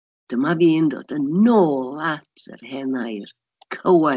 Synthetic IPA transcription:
d̥əmaviːndo̰ːdənːoːlˠatʰə̰rhɛnajr | kʰəwa

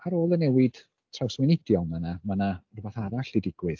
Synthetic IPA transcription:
aɾoːlˠənɛwɪd̥ | tʰrawswɪnɪdjɔlˠmanamanarəbaθaɾaɬd̥ɪdɪɡ̥wɨð

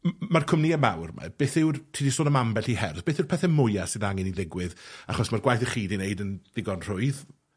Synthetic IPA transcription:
markʰʊmniəma̰wrma̰b̥eːθɪwrtʰiːdisoːdəmambɛɬihɛrθb̥eːθɪwrpʰɛθɛmʊjasɨðaŋɪniðɪɡwɪðaχɔsmarɡwajθəχiːdinejdənð̥ɪɡɔnr̥ʊɨð

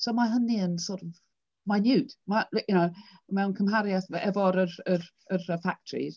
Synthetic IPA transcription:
soʊmaɪɦə̃niə̃nsɔˑtəv | maɪnjʉˑtmaɪljənoʊmɛʊ̃nkʰə̃mɦaɾiəθəɛvɔɾəɾəɾ | əɾəfak̚tʰəɹḭz̥

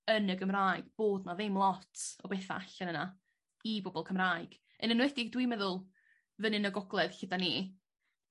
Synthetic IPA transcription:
ənəɡəmraːɨɡ̥b̥oːdnaðɪmlˠɔtʰɔbeːθa̰aɬanəna | ibɔbɔlˠkʰəmraːɨɡ̥ | ənənwɛdɪɡdwimɛðʊlˠ | vənɨnəɡɔɡlˠɛðɬɪdani

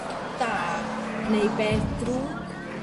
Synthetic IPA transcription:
t̪a | nejpet̪ɾu

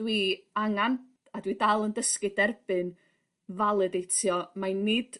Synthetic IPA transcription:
wiaŋan | adwidalˠəndəskɨdɛrb̥ɨn | valˠɨdejtʰjɔmanːɨd̥

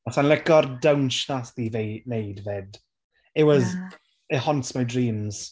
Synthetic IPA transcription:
asanlɛkɔrdawnʃnasðivenejdvɛd | ɛwɔz | ɛhɔntmajdriːmz̥

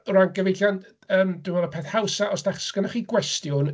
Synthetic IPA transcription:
ranɡəvejɬjan | əːmd̥ɪvɔləpʰɛθhawsaʔɔsd̥aχskənaχiːɡwɛstjʊn

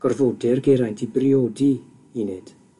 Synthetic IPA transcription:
ɡ̥ɔrvodɛrɡeɾajntʰibriodi | inɛd̥

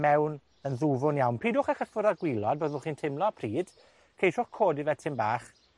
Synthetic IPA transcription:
mɛwn | ənðuvʊnjawnpʰiːdʊːχaχəfʊɾaɡwɪlˠɔd̚boːðvʊχiːntʰɪmlˠɔpʰriːd̥ | kʰejʃʊχkʰoːdivɛtʰɪmbaːχ

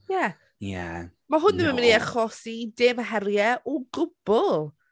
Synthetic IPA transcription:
ja | ja̰maɦʊnəməməniaχɔsideːmɦɛrjɛʔɔɡʊb̥ʊlˠ

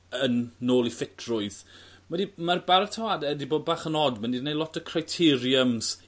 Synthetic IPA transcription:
ənːoːlˠifɪtʰrʊɨð | mɛdimarbaɾətʰawadɛdiboːd̚baːχənɔdmənidnejlˠɔtʰəkʰrajtʰɪɾjəmz̥

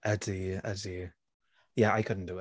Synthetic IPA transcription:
ədiədi | jaajkʰʊdⁿn̩d̥uɪ

